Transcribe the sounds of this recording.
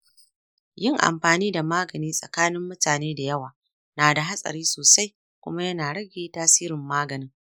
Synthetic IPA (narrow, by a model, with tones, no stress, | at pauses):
jɪ˦˨ŋʔa̰˨mɸaː˨niː˦da˨maː˦ɡɐ˨niː˦sʼɐ̰˨kaː˦nɪ˦mːʊ˦taː˨neː˦da˨jɐ˦waː˨ | naː˨da˨ɦa˦sʼɐ̰˨ɾiː˦soː˨sa˦j | kʷʊ̰˦ma˦jɐ˦naː˨ɽɐ˦ɡʲeː˦taː˦siː˦ɾɪ˨mːaː˦ɡɐ˨nɪ˦ŋ